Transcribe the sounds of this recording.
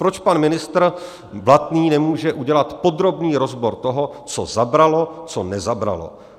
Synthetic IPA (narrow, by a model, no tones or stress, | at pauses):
pɾot͡ʃpanmɪnɪst̪r̩ | vlat̪niːnɛmuːʒɛʔuɟɛlat̪po̞d̪ɾo̞bniːɾo̞zboɾt̪oɦo̞t͡sozabɾalo̞t͡sonɛzabɾa̰lo̞̰